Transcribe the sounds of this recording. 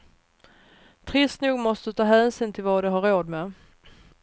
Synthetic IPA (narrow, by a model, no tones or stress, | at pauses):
t̪ʰɾɪst̪nuːɡmɔst̪ɵt̪ʰɑːɦæːnsiːnt̪ʰɪlvɑd̪ɵɦaɾːoːd̪me